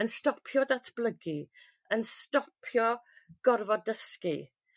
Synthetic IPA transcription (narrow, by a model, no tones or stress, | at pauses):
ənstɔpʰjɔdatʰb̥lˠəɡi | ənstɔpʰjɔɡ̥ɔrvɔdəski